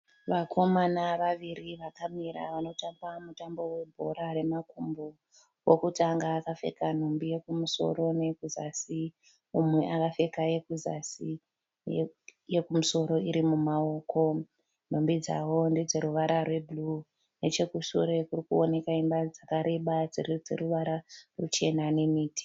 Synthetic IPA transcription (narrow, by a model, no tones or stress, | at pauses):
ʋakʰo̞manaʋaʋiriʋakamiɾa̰ʋano̞tambamutambo̞we̞bʱo̞̰ɾare̞makumbu | wokutaŋɡaːkafe̞̰kan̤ombije̞kumuso̞̰ɾo̞ne̞kuzasi | umwe̞ʔakafe̞kaje̞kuza̰si | jekumuso̞ɾo̞iɾimumao̞ːko̞ | n̤ombid͡za̰wo̞nded͡ze̞ɾuʋaɾʔarwe̞bʱulu | ne̞t͡ʃe̞kuʃṵɾe̞kurikuo̞ne̞kaimbad͡zakaɾe̞ɓad͡zirid͡ze̞̰ruʋaɾarut͡ʃe̞nane̞miːti̥